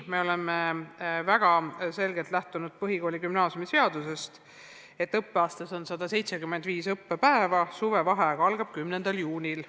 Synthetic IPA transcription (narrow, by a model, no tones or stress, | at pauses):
me̞o̞le̞mevæɡ̥ɑse̞lɡe̞lt̪læht̪unud̪̥̚pɤɦiko̞ːlʲikymnɑːsjumise̞ɑd̪̥use̞st̪ | e̞t̪ːˑɤpːe̞ɑːst̪ɑso̞nsɑd̪̥ɑse̞jt̪sekymːed̪viːsɤpːepæevɑsuvevɑɦeɡ̥ɑɑlɡ̥ɑb̥̚kymnend̪̥ɑljuːnʲil